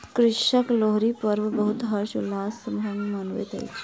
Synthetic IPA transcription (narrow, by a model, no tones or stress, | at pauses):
kɾɪʃəkloɦɾipəɾʋbəɦut̪ɦəɾʃulaːsəmʱɐmmɐnʋḛt̪ɐ̰jt͡ɕi̥